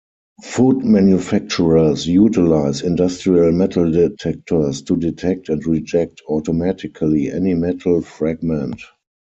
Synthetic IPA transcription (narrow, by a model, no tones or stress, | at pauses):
fuːdmãnjufæk̚t͡ʃuɹəsjuːtɪlaɪsɪ̃ndastɹiəlmɛtʰl̩dɛtʰɛk̚tʰə˞stʰuditʰɛk̚tɛ̃ntɹid͡ʒɛk̚tʰɔtɔmætɪkʰaliʔɛ̰nimɛtʰl̩fɹaɡ̚mɛ̃nt